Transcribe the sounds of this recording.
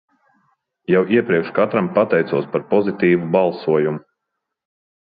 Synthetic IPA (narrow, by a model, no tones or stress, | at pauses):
jawʔiɛpɾiɛkʃkat̪ɾampat̪ɛjt̪suɔspaɾpɔzit̪iːvubalˠsuɔjumu